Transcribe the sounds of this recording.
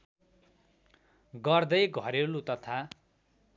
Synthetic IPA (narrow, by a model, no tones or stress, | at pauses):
ɡʌrd̪ʌjɡʱʌɾewlut̪ʌt̪ʰa